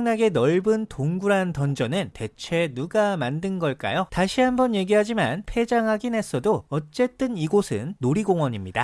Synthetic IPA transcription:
aŋnaɡe̞nʌɭbɯntoŋɡuɾantʌnd͡ʑʌnɯnte̞t͡ɕʰe̞nuɡamandɯnɡʌɭk͈a̰jotaɕʰiɦambʌnje̞ɡiɦad͡ʑimanpʰe̞d͡ʑaŋɦaɡinɦe̞s͈ʌdoʌt͡ɕ͈e̞t͈ɯniɡosʰɯ̰nːoɾiɡoŋwʌɲimɲida̰

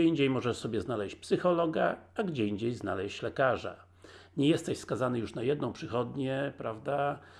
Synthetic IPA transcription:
iɲd͡ʑejmɔʐɛsɔbʲjɛznalɛɕt͡ɕpsɘxɔlɔɡaaɡd͡ʑɛiɲd͡ʑejzna̰lɛɕt͡ɕlɛkaʐa̰ | ɲɛjɛst̪ɛɕskazanɘjuʂnajɛd̪̚nɔ̃w̃pʂɘxɔd̪ɲɛpɾavd̪a

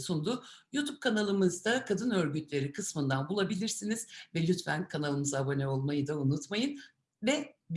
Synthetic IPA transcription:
sund̪uːjut̪ʰub̚kʰanalˠɯmɯzd̪akʰad̪ɯnø̞ɾɟyt̪lʲe̞ɾikʰɯsmɯnd̪anbulˠabilʲiɾsiniz̥vɛlʲyt̪væ̰nkʰanalˠɯmɯzabo̞nɛo̞lˠmajɯd̪aunut̪majɯn | vɛb

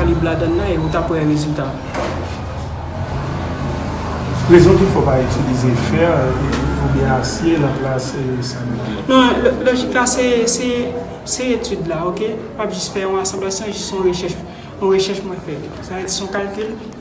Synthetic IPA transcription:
aliblad̪ɐ̃nːɐ̃eut̪apwɛʁezylt̪a | pʁezɔ̃kifɔpayt̪ilizefɛʁefobjɛ̃asjelãplassãmnɔ̃lloʒiklasɛsɛ | seet̪yd̪laoke | papʒyst̪fɛɔ̃asɑ̃blasjɔ̃ʒisɔ̃ʁeʃɛʃ | ɔ̃ʁeʃɛʃmwɛ̃fɛt̪ | saed͡zisɔ̃kalkʲyl

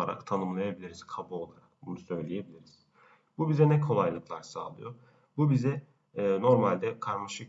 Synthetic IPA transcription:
a̰ɾa̰kt̪ʰanɯmlˠajabilʲiɾiz̥kʰabuo̞lˠaɾak̚bunusø̞jlʲije̞bilʲiɾiz̥ | bubizɛnɛkʰo̞lˠajlˠɯklˠaɾsa̰ːlˠɯjo | bubizɛ | no̞ɾmalʲd̪ɛkʰaɾmaʃɯk

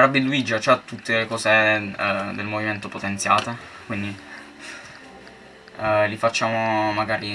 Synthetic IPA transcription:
ɾabːiluid͡ʒat͡ʃɛt̪ːut̪ːelekɔːse | d̪elmoviment̪opot̪ent̪sjaːt̪ekwind̪i | lifat͡ʃːaːmomaɡaːɾi

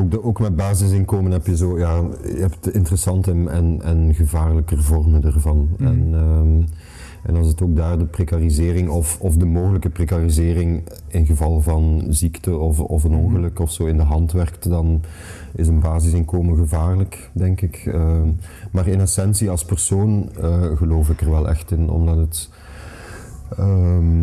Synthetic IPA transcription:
okdoːkmɛd̚baːzɪs̬ɪnkoːmənɦɛpjəzoːjaːjəɦɛpətɪntərəsɑntəɛnənɣəvaːrləkərvɔrməndərvɑnɛn | ɛ̰nɑlˠsətoːɡ̚daːrdəprekarizɪːrɪŋɔfɔfdəmoːɣələkəprekarizɪːrɪŋ | ɪnɣəvɑlˠvɑnziktəɔfɔfənɔŋɣələkɔfsoːɪndəɦɑntʋɛrktdɑn | ɪs̬ənbaːzɪsɪŋkoːməɣəvaːrlək | dɛŋkɪkəmaːrɪnɛsɛnsiɑlˠspərsoːnəɣəloːfɪkərʋɛlˠɛ̰xtɪnɔ̰mdɑtət | ə

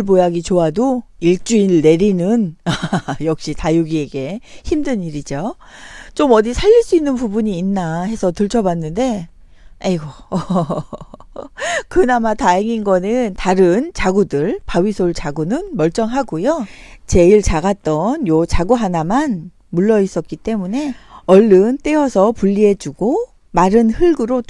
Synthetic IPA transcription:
ɭpojaɡit͡ɕoadoiɭt͡ɕ͈uinːe̞ɾinɯnajʌk̚ɕ͈itajuɡie̞ɡe̞çimdɯɲiɾid͡ʑo | t͡ɕomʌdisʰaʎːiɭs͈uinːɯnpubuɲiːnːahe̞sʰʌtɯɭt͡ɕʰʌbanːɯnde̞ | aiɡʌ | kɯnamataɦeŋinɡʌnɯntaɾɯnt͡ɕaɡudɯɭpawisʰoɭt͡ɕaɡunɯnmʌɭt͡ɕ͈ʌŋɦaɡojot͡ɕe̞iɭt͡ɕaɡat̚t͈ʌnjot͡ɕaɡuɦanaman | muɭːʌis͈ʌt̚k͈it͈e̞mune̞ʌɭːɯnt͈e̞ʌsʰʌpuʎːiɦe̞d͡ʑuɡo | maɾɯnhɯɭɡɯɾo

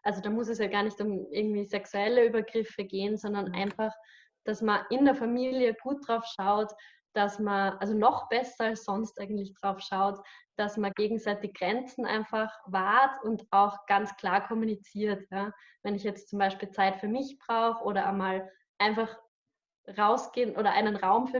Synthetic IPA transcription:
ʔalzodaːmʊsɛsjaːɡaːɐnɪçtʊmʔɪɐɡŋ̩tv̥iːzɛksuɛləyːbɐɡʁɪfəɡeːənzɔndɐnʔa̰ɪnfaχ | d̥asmɐʔɪndeːɐfamiːljəɡ̥uːt̚d̥ʁaʊfʃaʊt | d̥asmɐʔalzonɔχb̥ɛsɐalsz̥ɔnstʔaɪɡən̩tlɪçd̥ʁaʊfʃaʊtd̥asmɐɡ̥eːɡŋ̩zaɪtɪɡɡ̥ʁɛnt͡sn̩ʔa̰ɪnfaχvaɐtʰʊntaʊxɡ̥ant͡skʰl̥aːɐkʰɔmunit͡siːɐtjaː | vɛnɪçjɛt͡stt͡sʊmbaɪʃpiːlt͡saɪtfyːɐmɪçb̥ʁaʊxʔoːɾɐmaːl | ʔaɪnfaχ | ʁaʊsɡ̥eːnʔoːɾɐʔa̰ɪnənʁaʊmfyːɐ

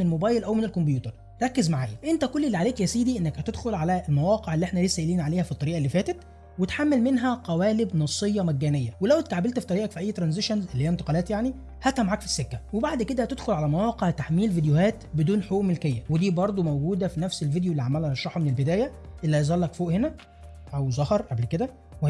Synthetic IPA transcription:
nelmobæːjelʔæwmenelkombjuːt̪ɑɾˤ | ɾˤɑkːezmaʕaːjʔent̪ækolːelːiʕaleːkjæsiːd̪iʔenːækhæt̪ed̪xolʕalæelmæwɑːqeʕelːiʔeħnæliːsːæʔeliːnʕaleːhæfit̪ˤːɑɾiːʔælːiːfæːt̪æt̪ | wet̪ħamːælmenɦæqæwæːlebnɑsˤːejːɑmæɡːæːnejːæwelæwt̪aʕabelt̪fi̥t̪ˤɑɾiːʔɑkfiʔæjːt̪ɾˤɑnzeʃænzʔelːhiːæent̪ɑ̥qɑlæːt̪jaʕni | hæt̪hæmʕakfi̥sːekːæwebaʕd̪ked̪æt̪ed̪xolʕalæmæwæːqeʕt̪aħmiːlvid̪ejohæːt̪bed̪uːnħoːʔmelkejːæwed̪iːbɑɾˤd̪ˤomowɡuːd̪æfinæfselvid̪joʔlːiʕamːælhæʃːɑħmenelbed̪æːjæʔelːæzˤɑlːækfoːʔhenæ | ʔæwzɑhɑɾˤʔablked̪æ

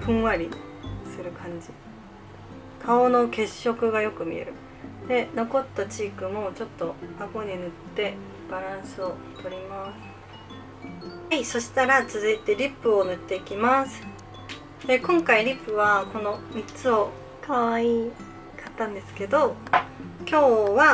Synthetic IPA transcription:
pɯ̟̃ɰ̃βaɾʲi | sɨɾɯ̟kʰãɲ̟d͡ʑi | kʰao̞no̞ke̞ɕːo̞kɯ̟ɡajo̞kɯ̟mʲḭe̞̰ɾɯ̟ | d̪e̞no̞ko̞t̪ːat͡ɕiːkɯ̟mo̞t͡ɕo̞t̪ːo̞aɡo̞ɲ̟inɯ̟t̪ːe̞ | b̥aɾãɰ̃sɨo̞ | t̪ʰo̞ɾʲimasɨ̥ | haiso̞ɕi̥t̪aɾat͡sɨzɨit̪e̞ɾʲipːɯ̟o̞nɯ̟t̪ːe̞ikʲimasɨ̥ | d̪̥e̞kõŋkaiɾʲipːɯ̟βako̞no̞mʲit͡sɨo̞ | kaβai | kat̪ːãnd̪e̞sɨ̥ke̞d̪o̞ | kʲo̞ːβa

